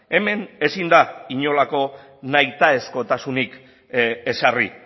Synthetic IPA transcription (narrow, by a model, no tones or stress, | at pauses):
e̞me̞nesind̪aiɲo̞lako̞ | najt̪ae̞sko̞t̪asunik | e̞sarḭ